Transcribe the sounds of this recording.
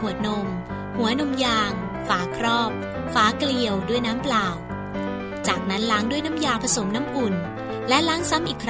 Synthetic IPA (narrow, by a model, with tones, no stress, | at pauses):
u˨˩ə˩t̪̚no˧m | hu˩˦ɐno˧mjaː˧ŋ | faː˩˦˥kʰɾɔː˥˩p̚ | faː˦˥kli˧əwdu˥˩əjnaː˦˥mplaː˨˩w | t͡ɕaː˨˩k̚na˦˥nlaː˦˥ŋdu˥˩əjna˦˥mjaː˧wpʰa˧so˩˦mna˦˥mʔu˨˩n | lɛ˦˥ʔlaː˦˥ŋsa˦˥mʔiː˨˩kʰɾ